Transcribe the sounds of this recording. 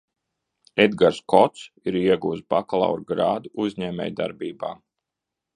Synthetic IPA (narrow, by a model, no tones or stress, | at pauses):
ed̪ɡaɾskʰɔt̪siɾiɛɡuːt̪sbaklˠa̰wɾɡɾaːd̪uʔuzʲɲɛːmʲɛ̰jd̪aɾbiːba̰ː